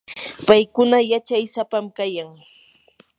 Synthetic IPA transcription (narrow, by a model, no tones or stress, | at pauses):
pajkʊnajat͡ʃajsapamkajaŋ